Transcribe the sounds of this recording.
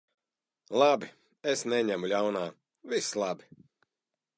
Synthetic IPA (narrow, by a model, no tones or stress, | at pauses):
lˠabi | esnɛɲæmulʲawnaː | vislˠabi̥